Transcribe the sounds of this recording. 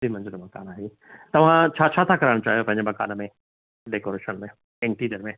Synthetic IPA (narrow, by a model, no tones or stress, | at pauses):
dimɐ̃d͡ʑənomɐka̰ːnaːɦeː | t̪ɐʋ̤ãt͡ɕʰaːt͡ɕʰaːt̪ʰakɐɾaːɪ̃ot͡ɕaːɦijopɐ̃ɦɪ̃ɲd͡ʑemɐka̰ːnmẽ | ɖeːkoɾeːʃənmẽ | ɪ̃ɳʈiːɾijəɾmẽ